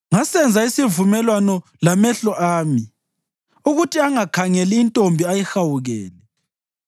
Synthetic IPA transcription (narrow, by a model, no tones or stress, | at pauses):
ŋasɛnd͡zʱaisivumɛlwanɔ | lamɛɬɔʔaːmi | uɣutʰiaŋakʰaŋɛliːntʼombʱiajixawuɣɛːlɛ